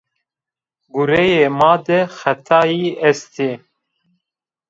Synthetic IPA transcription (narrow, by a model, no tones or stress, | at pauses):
ɡuɾɛjeːmɑːd̪ɛxɛt̪ʰɑːjiːɛst̪e